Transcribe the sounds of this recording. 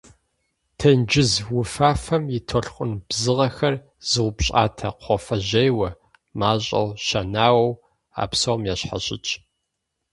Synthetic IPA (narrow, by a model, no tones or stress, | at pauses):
tʰɐnd͡ʒɪzwʊfaːfɐmjɪtʰoɬχʷʼʊnb̥zɨʁɐxɐr | z̥ɨwʷʊpɕʼa̰ːtʰɐqʷɔfɐʑejwɐ | maːɕʼɐ̰wʃɐnaːwɐw | a̰ːpsowmjɛɕħa̰ɕʼɪ̰t͡ʃʼ